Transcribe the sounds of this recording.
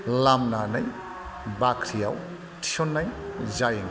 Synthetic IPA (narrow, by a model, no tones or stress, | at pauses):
lamnanaj | bakʰɾija̰w | tʰi̥onːajzajŋ